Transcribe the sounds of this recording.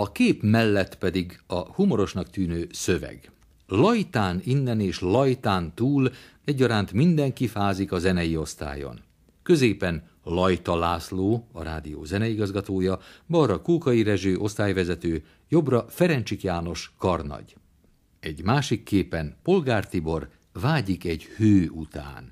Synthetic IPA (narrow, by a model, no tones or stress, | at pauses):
ɒkeːpmɛlːɛt̪pɛd̪iɡɒhumo̞ɾo̞ʃnɒkt̪yːnøːsø̞vɛ̰ɡ | lɒjt̪aːninːɛneːʃlɒjt̪aːnt̪uːl | ɛɟːɒɾaːnt̪mind̪ɛŋkifaːzikɒzɛnɛjio̞st̪a̰ːjo̞̰n | kø̞zeːpɛn | lɒjt̪ɒlaːsloːɒ̰ɾa̰ːd̪ijo̰ːzɛnɛiɡɒzɡɒt̪oːjɒbɒrɒkuːkɒjiɾɛʒøːʔo̞st̪aːjvɛzɛt̪øː | jo̞brɒfɛɾɛnt͡ʃikjaːno̞ʃkɒrnɒ̰ɟ | ɛɟmaːʃikːeːpɛnpo̞lɡaːrt̪ibo̞r | vaːɟikɛɟhøːut̪a̰ːn